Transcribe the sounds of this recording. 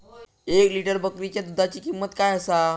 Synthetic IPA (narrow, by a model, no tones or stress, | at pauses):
ekliʈəɾbəkɾit͡ɕjad̪ud̪ʱat͡ɕiːkimːət̪kajəsa